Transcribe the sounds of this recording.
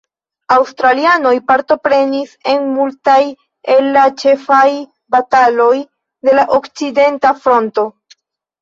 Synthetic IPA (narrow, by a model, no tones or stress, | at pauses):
awstɾaliano̞jpaɾto̞pɾe̞nise̞nmultaj | elːat͡ʃe̞faj | batalo̞j | de̞laʔo̞kt͡side̞ntafɾo̞nto̞